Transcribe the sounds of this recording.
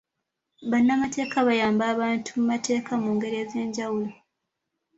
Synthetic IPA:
βanːamate̞ːkaβajaːmbaːβaːntʰumumate̞ːkamuːŋɡe̞ɾieːze̞ːɲɟawulo

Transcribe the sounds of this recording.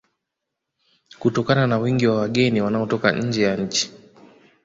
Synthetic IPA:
kutɔkananawiŋɡiwawaɠɛniwanaɔtɔka̰ɲ̩d͡ʒɛjaɲ̩t͡ʃi̥

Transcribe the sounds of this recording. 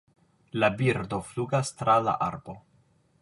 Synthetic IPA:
labiɾdo̞fluɡastɾala̰ʔa̰ɾbo̞

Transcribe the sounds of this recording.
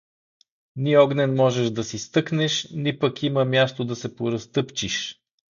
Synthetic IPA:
niɔɡnɛnmɔʒɛʒd̪ɐsist̪ɤknɛʃnipɐkiməmjast̪od̪ɐsɛpoɾɐst̪ɤpt͡ʃiʃ

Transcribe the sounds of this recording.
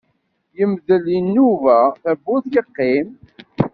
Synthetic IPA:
jəmðəlinːuvæθæbːuθjəqːim

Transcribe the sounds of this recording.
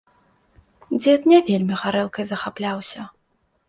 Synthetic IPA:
d͡zʲɛt̪nʲɛvʲelʲmʲiɣaɾɛlˠkɐjzɐxaplʲawsʲɐ

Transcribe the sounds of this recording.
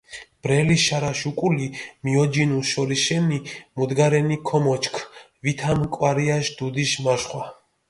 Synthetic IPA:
b̥ɾɛliʃaɾaʃukʼulimiɔd͡ʒinuʃɔɾiʃɛnimud̪ɡaɾɛnikʰɔmɔt͡ʃkʰ | vit̪ʰamkʼwaɾiaʃd̪̥ud̪iʃmaʃχwa

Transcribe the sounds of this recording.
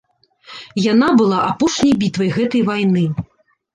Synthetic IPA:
janabɨlˠaʔapɔʂnʲɐjbʲit̪vɐjɣɛt̪ɐjvajnɨ

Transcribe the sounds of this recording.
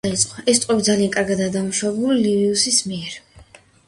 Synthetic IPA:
it̪sʼqʼɔɛst̪ʼɛbid̪zalianŋkʼaɾɡad̪ad̪amuʃaɛbuliliviusismiɛɾ

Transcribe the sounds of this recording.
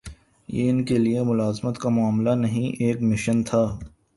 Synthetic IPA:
jḛɪnkeliemʊlaːzmət̪kamʊaːmlanɐɦĩʔeːkmɪʃənt̪ʰaː

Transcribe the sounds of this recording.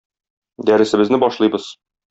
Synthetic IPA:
d̪æɾɘ̆sɘ̆bɘ̆znɘbɒʃlˠɤjbɤz̥

